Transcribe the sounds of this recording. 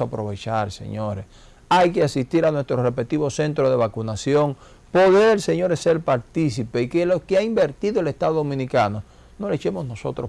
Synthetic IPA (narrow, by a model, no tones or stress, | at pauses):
apɾo̞βe̞t͡ʃaɾsḛɲo̞ɾes | ajke̞asist̪iɾanwest̪ɾorepet̪iβo̞se̞nt̪ɾoðe̞βakunasjo̞ŋ | po̞ðeɾse̞ɲo̞ɾeselpaɾt̪isipeikelokeaimbe̞ɾt̪iðoelest̪aðoðomĩnikano̞ | no̞let͡ʃe̞mo̞sno̞so̞̰t̪ɾo